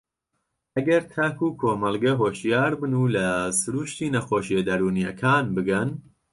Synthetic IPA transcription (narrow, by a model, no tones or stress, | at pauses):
ʔɐɡɐɾt̪ʰakuːkʰoːmɐlˠɡɐɦoːʃjaːɾbɨnulɐsɨɾuːʃt̪iːnɐxoːʃed̪ɐɾuːnijɐkʰaːnbɨɡɐn